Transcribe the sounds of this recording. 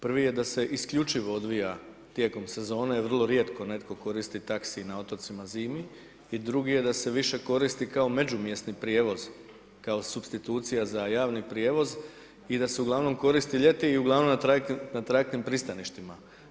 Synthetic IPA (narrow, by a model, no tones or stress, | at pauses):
pr̩ʋije̞d̪ase̞ʔiskʎut͡ʃiʋo̞od̪ʋija | t̪je̞ko̞mse̞zo̞ːnejeʋr̩lˠo̞ɾje̞t̪ko̞ne̞t̪ko̞ko̞ɾist̪it̪aksinao̞t̪o̞t̪simaziːmi | id̪ɾuɡije̞d̪ase̞ʋiʃe̞ko̞ɾist̪ikaome̞d͡ʒumjest̪nipɾije̞ːʋo̞z̥ | kao̞subst̪it̪uːt̪sijazajaːʋnipɾje̞ːʋo̞z | id̪ase̞uɡlˠaʋno̞mko̞ɾist̪iʎe̞t̪iiuɡlˠaʋnomat̪anat̪ɾat̪nimpɾist̪aniʃt̪ima